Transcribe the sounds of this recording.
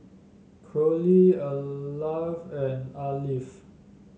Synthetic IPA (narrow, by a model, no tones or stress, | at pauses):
kʰɹoliəlavɛ̃nalif